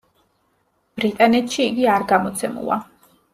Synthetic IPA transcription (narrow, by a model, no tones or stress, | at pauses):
b̥ɾit̪ʼanɛt̪ʰʃiːɡiaɾɡamɔt̪sʰɛmṵlˠa̰